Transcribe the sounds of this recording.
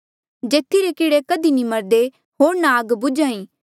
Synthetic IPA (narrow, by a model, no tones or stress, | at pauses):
d͡ʒeːt̪ʰːiɾekɪɽekɐd̪inĩmɐɾd̪e | ɦoːɾnaːɡbʊd͡ʒaːĩː